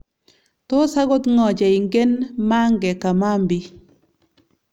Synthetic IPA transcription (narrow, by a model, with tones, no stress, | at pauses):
to˦sa˦ɡo˦t̪ŋɔ˨d͡ʒa˨i˨ŋɡe˦nma˦ŋɡɛ˨ka˨ma˦mbi˦